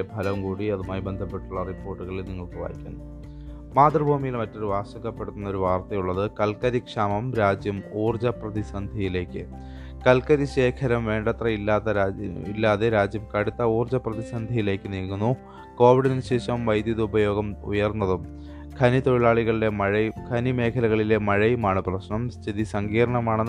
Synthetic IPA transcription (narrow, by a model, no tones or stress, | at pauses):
ebʱɐlɐmkuːɽiɐðumaːjibe̞nd̪ʱɐpːe̞ʈːuɭːɐripːo̞ːrʈːuɣɐɭilniŋːɐɭkɨʋa̰ːjikʲːa̰ːn | maːt̪rɐbʱuːmijilmɐtːo̞ɾuʋaːɕɐɣɐpːe̞ɽut̪ːunːɐoɾuʋaːrt̪ɐjuɭːɐðɨkɐlkɐɾikʂaːmɐmɾaːd͡ʑjɐmuːrd͡ʑɐprɐðisɐnd̪ʱiɐjile̞ːkːɨ | kɐlkɐɾiɕe̞ːkʰɐɾɐmʋe̞ːɳɖɐt̪rɐilːaːðɐilːaːðe̞ɾaːd͡ʑjɐmkɐɽut̪ːɐuːrd͡ʑɐprɐðisɐnd̪ʱɐjile̞ːkːɨnilkunːu | ko̞ːʋiɽɐnɐnɕe̞ːɕɐmʋɐjd̪jɐðuubɐjo̞ːɡɐmṵjɐrnːɐðum | kʰɐnit̪o̞ɻiɭaːɭiɣɐɭɖeɻɐkʰɐnime̞ːkʰɐlɐɣɐɭile̞mɐɻɐjumaːɳɨprɐɕɳɐmst̪ʰiðisɐŋɡiːɾɐɳɐmaːɳɨ